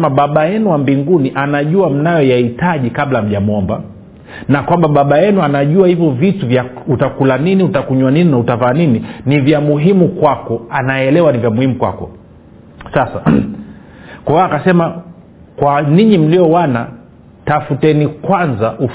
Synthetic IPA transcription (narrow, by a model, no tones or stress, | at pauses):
maɓaɓajɛnuwambiŋɡuniʔanaʄuam̩najɔjahitaʄikaɓlam̩ʄamɔmba̰ | nakwambaɓaɓajɛnuanaʄuahivjɔvituvjautakulaniniutakuɲwanininautavaːnininivjamuɦimukwakɔanaɛlɛwanivjamuhimukwa̰kɔ̰ | sasa | kwaakasɛma | kwaniɲim̩liɔwana | tafutɛnikwanzaʔu